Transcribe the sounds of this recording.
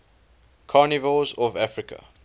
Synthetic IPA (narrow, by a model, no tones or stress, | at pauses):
kʰaːnɪvəlzɔvafɹɪkʰə̰